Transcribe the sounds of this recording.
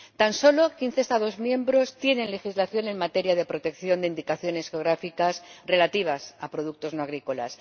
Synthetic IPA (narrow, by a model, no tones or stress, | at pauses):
t̪anso̞lo̞kin̟θest̪aðo̞zmjẽ̞mbɾo̞st̪je̞nẽ̞nle̞xizlaθjo̞ne̞ŋmat̪e̞ɾjaðe̞pɾot̪e̞kθjo̞nd̪eind̪ikaθjo̞ne̞sxeo̞ɣɾafikasre̞lat̪iβ̞asapɾo̞ðuk̚t̪o̞znoaɣɾiko̞la̰s